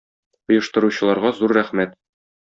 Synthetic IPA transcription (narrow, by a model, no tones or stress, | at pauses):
ŏjɤ̆ʃt̪ɤ̆ɾuɕɤ̆lˠɑɾʁɑzuɾːæχmæt̪